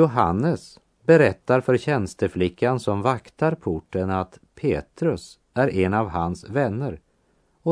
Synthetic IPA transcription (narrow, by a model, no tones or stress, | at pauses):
ʊɦa̰nːəs | bɛɾɛt̪ːaɾfœɾɕɛnst̪əflɪkʰːansɔmvakt̪ʰaɾpʰʊʈːənat̪pʰeːt̪ɾɵs | æɾɛnavɦansvɛnːəɾ | ɔ